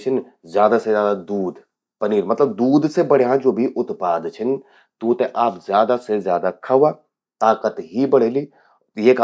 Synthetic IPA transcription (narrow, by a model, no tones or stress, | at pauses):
t͡ʃʰɪn | zjaːd̪asezjaːd̪ad̪uːd̪ | pɐniːɾmɐt̪ləbd̪uːd̪sebɐɽ̤eɦãd͡ʒoːbʱiʔʊt̪paːd̪t͡ʃʰɪn | t̪uːt̪ẽʔaːpzjaːd̪asezjaːd̪akʰɐʋa | t̪aːkət̪ɦibɐɽ̤eːli | jeːk